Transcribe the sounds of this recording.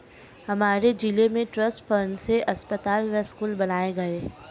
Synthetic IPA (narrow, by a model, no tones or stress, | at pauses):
hɐmaːɾed͡ʒilemẽʈɾɐsʈfəːnseʔɐspət̪aːlʋɛskuːlbɐnaːeɡɐeː